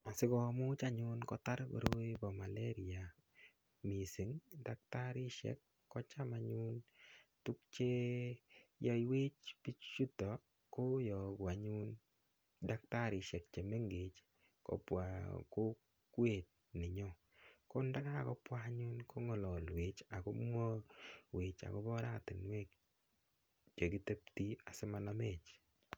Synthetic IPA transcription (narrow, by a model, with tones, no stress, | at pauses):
a˨sɪ˦ɡɔ˨mu˦t͡ʃa˦ɲʊ˦nkɔ˦ta˦ɾko̰˨ɾo˦bɔ˨ma˨le˦ɾi˨a˨ | mi˨si˨ŋda˨k̚ta˦ɾɪ˦ʃɛ̰˦kː | ɔ˦t͡ʃa˦maɲu˦ntu˦k̚t͡ʃe˦ | jɔ˦iwe˦t͡ʃpi˦t͡ʃt͡ʃu˦tɔ˨ | ko˦jɔ˨ɡwa˨ɲu˦n | da˦k̚ta˦˨ɾɪ˨ʃɛ˨k̚t͡ʃe˨me˦ŋɡe˨t͡ʃ | kɔ̰˨˦pwa̰˨ko˦ | kwe˦˨t̚nɪ˨ɲɔ˦˨ | ko˦nda˦ka˦˨kɔ˦pwaɲu˦nkʰo˦ŋɔ˨lɔ˨lwe˨t͡ʃa˨ko˦mwo˦we˨t͡ʃa̰˨kɔ˦bɔ˦ɾa˦tɪ˨nwe˦k | t͡ʃe˨ki˦te˦p̚ti˦a˨se˦ma˦na˦me˨t͡ʃ